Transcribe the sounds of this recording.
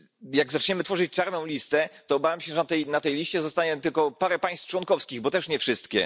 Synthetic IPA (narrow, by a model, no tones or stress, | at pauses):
jaɡzat͡ʂɲɛmɘt̪fɔʐɘt͡ɕt͡ʂaɾnɔ̃w̃lʲist̪ɛt̪ɔːbavjamɕɛʐɛnt̪ɛjnat̪ɛjlʲiɕt͡ɕɛzɔst̪aɲɛt̪ɘlkɔpaɾɛpaj̃st̪ft͡ʂwɔnkɔfskʲiɣbɔt̪ɛʂɲɛfʂɘst̪kʲɛ̰